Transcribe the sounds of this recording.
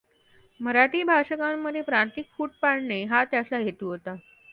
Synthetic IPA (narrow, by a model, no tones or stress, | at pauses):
məɾaʈiːbʱaʂəkamːəd̪ʱːjepɾant̪ikfuːʈ̚paɽɳeɦat̪jasaɦet̪uːɦot̪a